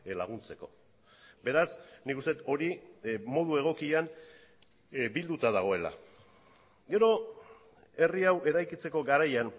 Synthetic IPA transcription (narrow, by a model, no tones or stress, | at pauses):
laɣ̞unt͡se̞ko̞̰ | be̞ɾasnikust̪e̞t̪o̞ɾimo̞ð̞ue̞ɣ̞o̞kian | bild̪ut̪að̞aɣ̞o̞e̞la̰ | ɡe̞ɾo̞ | e̞riawʔe̞ɾajkit͡se̞ko̞ɡaɾajan